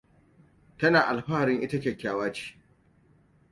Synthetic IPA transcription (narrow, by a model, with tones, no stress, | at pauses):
tɐ˦naː˨ʔa˨lɸaː˦˨ɾɪ˦ŋʔɪ˦tɐ˦kʲeː˨kʲaː˦waː˦t͡ʃi̥ː˦